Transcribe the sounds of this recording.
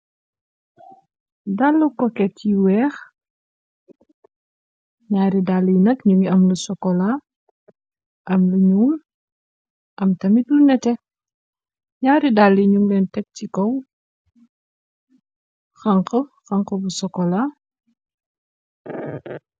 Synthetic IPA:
dalːukɔkɛiwɛːx | ɲaːɾidalːijnɐkɲuŋiɐmlusɔkɔla | ʔɐmluɲuːm | ʔɐmtɐmitlunɛtɛ | ɲaːɾidalːiɲuŋlɛntɛk̚cikɔw | xaŋqəxɐŋkəbusɔkːɔla

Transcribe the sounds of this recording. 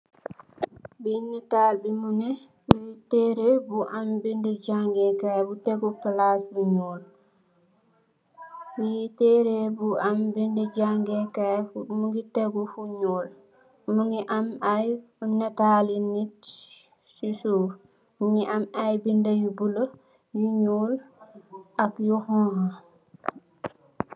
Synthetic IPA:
binːɛtaːlbimunɛ | witɛɾɛbuʔambindɛd͡ʒaŋɡɛkajbutɛɡɔpalasbuɲol | witɛɾɛbuʔambindɛd͡ʒaŋɡɛkamuŋɡitɛɡɔfuɲɔl | muŋɡiʔamaj | unːɛtalinit | susu | muɲiʔamajbindajubulo | juɲuːl | ʔakjuhɔ̃hã

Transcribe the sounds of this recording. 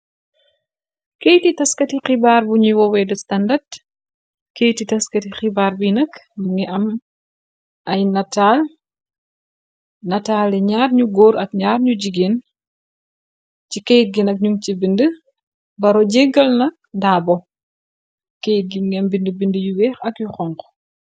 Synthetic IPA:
kejtitɐskɐtixibaːɾbuɲiwɔwɛdəstɐndɐd | kejtitɐskɐtixibaːɾbujnɐkmŋɡɛʔɐm | ɐjnɐtaːl | nɐtaːlɛɲaːrɲuɡoːɾʔɐk̚ɲaːrɲuɟiɡeːn | cikɛjt̚ɡinɐk̚ɲuŋt͡ʃibində | bɐɾɔɟeɡɐlnɐk̚daːbɔ | kejt̚ɡiɡɛmbindəbindəjuwɛːxɐkjuxɔŋkɔ̥

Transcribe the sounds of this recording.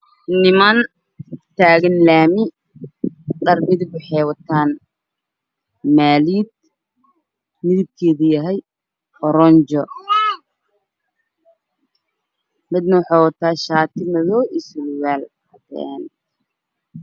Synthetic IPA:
nɪman | t̪ʰaːɣɐnlaːmɪ | ɖɐrmɪðɪbʊħɛːwɐt̪ʰaːn | maːliːd̪̚ | mɪðɪb̚kʰɛːðɐjɐɦɛj | ɔɾɔnt͡ʃɔ | mɪd̪nɐwħɑːwɐt̪ʰaːʃaːt̪ʰɪmɐðɔːʔɪslwaːl | ɐtɛ̰n

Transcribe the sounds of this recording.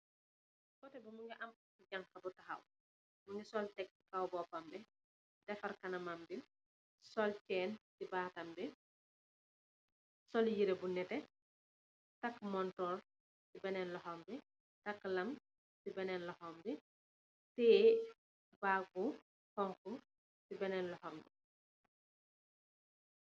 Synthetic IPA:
kɔtɛbɐmuŋɡɛʔɐm | kuɟɐŋxɐbutɐxɐ̰w | muŋɡisɔltɛk̚kɐwbɔpɐmbɛ | tɛfɐrkɐnɐmɐmbil | sɔlkɛːntibaːtɐmbɛ | sɔljiɾebunɛtɛ | tɐkːmɔntɔːr | tibɛnɛnlɔhɔmbɛ | tɐkːlɐm | tibɛnɛnlɔhɔmbi | tɛː | baːɡ̚u | hɔŋku | tibɛnɛnlɔhɔmbḭ

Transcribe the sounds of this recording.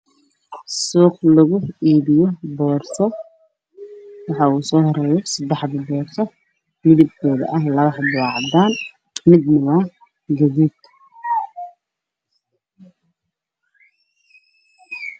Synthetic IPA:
suːqlɐɣʊiːβɪjɔbɔːrtɔ | wɑħɑuːsɔːhɔɾɛːjɔsɐd̪ɛħðɐbɔːrt̪ɔ | mɪðɪb̚kʰɔːðɐ̰ʔɐɦlɐβɑħd̪ʊwɑːʕd̪aːn | mɪd̪nɐβɐ | ɡɐðuːd̪

